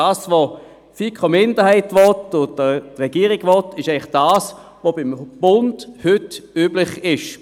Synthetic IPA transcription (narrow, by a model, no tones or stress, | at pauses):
aːsvo | fikʰχomɪndəhɛɪtvɔtʊə̥ʁɛɡ̥iːʁɪɡ̥vɔtɪʃɛɪlɪχd̥aːs | vobɪmb̥ʊndhʏtyːblɪχɪʃ